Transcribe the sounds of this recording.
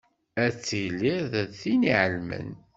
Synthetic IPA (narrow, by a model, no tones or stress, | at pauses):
æt͡sːilːiðæθiniʕəlmə̰n